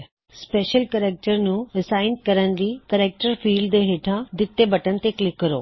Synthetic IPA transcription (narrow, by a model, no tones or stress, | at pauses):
speːʃəlkəɾeːk̚ʈəɾnũɪsaːɪnkɐɾənd͡ʑ̪ikəɾeːk̚ʈəɾfiːlɖd̪eɦeːʈʰãd̪ɪt̪ːebɐʈənɪ̆t̪eklɪkːəɾo̰ː